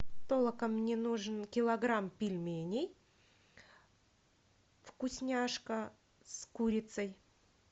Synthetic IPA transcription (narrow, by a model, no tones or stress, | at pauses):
t̪olˠəkəmnʲenuʐɨnkʲɪlˠɐɡɾampʲɪlʲmʲenʲej | fkʊsʲnʲaʂkə | skuɾʲɪt̪səj